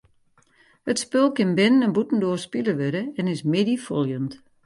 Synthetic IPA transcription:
hətspølˠkɪnbɪnənɛnbutn̩doərspiləʋøɾəɛnɪsmɪdifolˠjənt

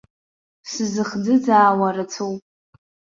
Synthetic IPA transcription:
sɨzɨχd͡zɨd͡zaːwaɾɨt͡sʰowpʼ

